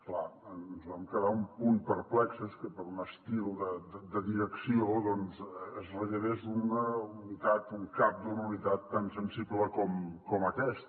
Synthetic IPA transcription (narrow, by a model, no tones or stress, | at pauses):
klaənnzβamkəðaumpunpəɾplɛksəskəpəɾunəst̪ilˠd̪əd̪əd̪əðiɾəksioðɔnzəzrəʒəðezunəunit̪at̪uŋkap̚d̪unəunit̪at̪ːansənsibləkɔmkɔməkɛst̪